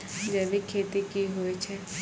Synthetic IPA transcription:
d͡ʒɛːbikʰeːt̪ikiɦoet͡ʃʰɛ

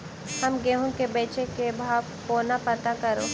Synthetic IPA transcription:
hɐmɡeːɦõkebeːt͡ʃekebʱaːʋkoːnatpɐt̪akɐɾoː

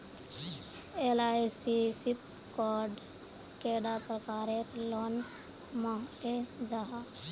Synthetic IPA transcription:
eːlaːsisɪt̪̚ | kɔːɾɖ | keːɖapɾəkaːɾeɾlɔːn | maed͡ʒaːɦa

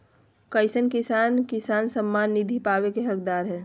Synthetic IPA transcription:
kəɪsənkɪsaːnkɪsaːnsəmːaːnːid̪ʱipaːwekeɦəkd̪aːɾɦɛː

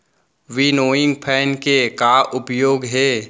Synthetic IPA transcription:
ʋinoːɪ̃ŋɡpʰɛːnkekaːʔʊpjoːɡɦɛː

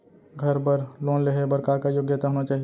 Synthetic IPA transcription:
ɡʱəɾpəɾloːnleɦebəɾkakajoɡjət̪aɦoːnat͡ʃaːɦi

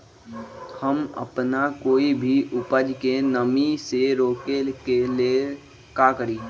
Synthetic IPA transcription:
həmə̰pnakoːibʱiʔʊpəd͡ʒkenəmiseɾoːkelkele | kakəɾiː

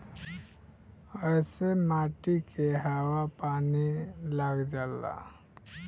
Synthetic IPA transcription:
əsemaʈikʰeɦawapanilaɡd͡ʒala̰

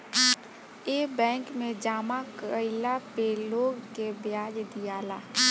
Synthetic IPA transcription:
eːbɛ̃ːŋkmẽd͡ʒaːmakəɪlapeːloːɡkebjaːd͡ʒd̪ijaːlaː

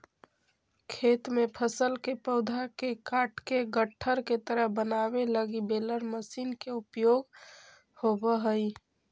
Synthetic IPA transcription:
kʰet̪mepʰəsəlkepəʊd̪ʱakekaʈʰkeɡəʈʰːəɾket̪əɾəɦbənabeləɡibeləɾməsiːnkeupjoɡ | hobəɦəi

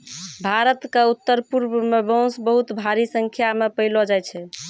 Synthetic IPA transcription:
bʱaɾət̪keut̪ːəɾpuɾbmebə̃sbəɦut̪bʱaɾisəŋkʰjamepəɪlɔd͡ʒajt͡ʃʰɛ

